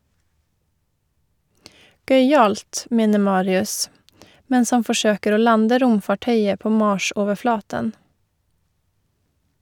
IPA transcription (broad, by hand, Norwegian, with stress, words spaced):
ˈɡœʏˌɑːlt ˈmeːnə ˈmɑːɾɪʉs ˈmɛns ˈhɑn fɔˈʃøːkəɾ ˈoː ˈlɑndə ˈɾʊmfɑˌʈœʏə ˈpoː ˈmɑːʃoːʋəˌflɑːtən